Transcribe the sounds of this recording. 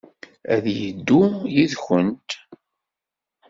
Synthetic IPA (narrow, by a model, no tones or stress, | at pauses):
æðjəd̪ːujiðçənt̪